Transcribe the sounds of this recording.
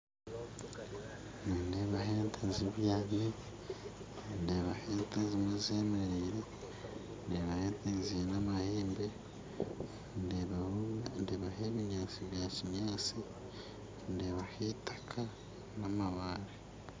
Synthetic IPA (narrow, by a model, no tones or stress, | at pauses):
nindeβaɦeːntʰeziβjaːne | ndeβaheːntezimezemeɾiɾe | ndeβaheːntezinamaheːmbe̞ | n | ndeβaheβiɲaːt͡siβjaːciɲaːt͡si | ndeβaheːtʰḁkʰa | namaβaɾe